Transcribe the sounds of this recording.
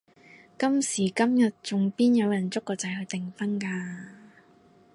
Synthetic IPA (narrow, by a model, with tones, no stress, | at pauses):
kɐ˥msiː˨˩kɐ˥mjɐ˨t̚t͡sʊ˨ŋpiː˥njɐ˨˧wjɐ˨˩nt͡sʊ˥k̚ːɔː˧t͡sɐ˨˧jhɵ˨˧jt̪ɪ˨ŋfɐ˥nkaː˧